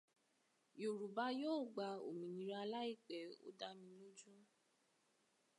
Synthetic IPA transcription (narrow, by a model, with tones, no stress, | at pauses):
jo˨ɾu˨ba˧˦joː˦˨ɡ͡ba˨˧o̰˨mĩ˨nĩ˨ɾa˧la˦i˦˨k͡pɛ˨o̰˦da˧mĩ˧lo˦d͡ʒũ˦